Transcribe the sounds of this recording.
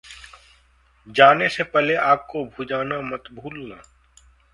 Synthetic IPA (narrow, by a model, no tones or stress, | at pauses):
d͡ʒaːnesepɛleaːp̚kobʱud͡ʒaːnamɐt̪bʱuːlnaː